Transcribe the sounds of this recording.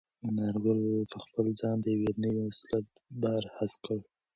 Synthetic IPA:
nɑɾwəlpəxpəlzɑnd̪əjawenəwimaslat̪̚ | baɾhaskəɽ

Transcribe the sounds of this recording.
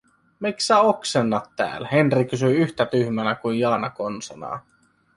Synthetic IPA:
miksæoksenːɑt̪tæ̰ːlhenrikysyiyht̪æt̪yhmænækuinjɑːnɑkonsɑnɑ̰ː

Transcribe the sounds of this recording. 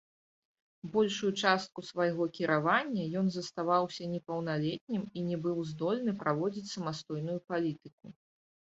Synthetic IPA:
bɔlʲʂujut͡ʂast̪̚kusvajɣɔkʲiɾʔavanʲːɐjɔnzɐst̪avawsʲɐnʲɛpɐwnalʲɛt̪ʲnʲiminʲɛbɨwzd̪ɔlʲnɨpɾʔavɔd͡zʲit͡sʲsɐmast̪ɔjnujupalʲit̪ɨku

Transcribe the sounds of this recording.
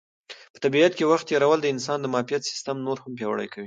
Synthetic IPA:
pə̥t̪abiat̪̚kewaxt̪ːeɾawəld̪əɪns̬ɑnd̪əmɑfijat̪sɪ̥st̪amnoɾhampjɑwa̰ɽə̰jkawi

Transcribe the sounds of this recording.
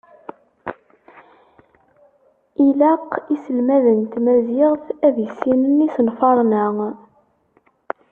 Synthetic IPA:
ilæqisəlmæðənt̪mæzɪʁθæðjəsːinənisənfɑɾˤnə

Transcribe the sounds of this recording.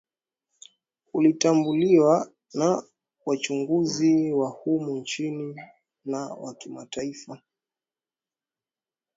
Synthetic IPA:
ulitambuliwa | na | wat͡ʃuŋɡuziwahumunt͡ʃini | nawa̰kima̰taifa

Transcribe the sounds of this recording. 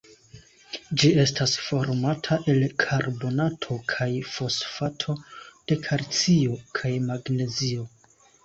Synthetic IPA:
d͡ʒie̞stasfo̞ɾmatʰaʔe̞lkʰaɾbo̞natʰo̞kʰajfo̞sfatʰo̞d̥e̞kʰaɾt͡siokʰajmaɡne̞zio̞

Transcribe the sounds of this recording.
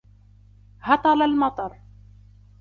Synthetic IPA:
hɑt̪ˤɑlalmɑt̪ˤɑɾˤ

